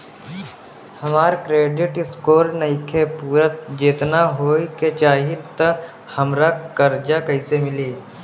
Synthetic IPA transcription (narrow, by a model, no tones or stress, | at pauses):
hɐmaːɾkɾeːɖɪʈɪskoːɾnɐɦikʰepuːɾət̪d͡ʒeːt̪naɦoːket͡ʃaːɦit̪ə | hɐmɾakəɾd͡ʒakɐɪsemɪliː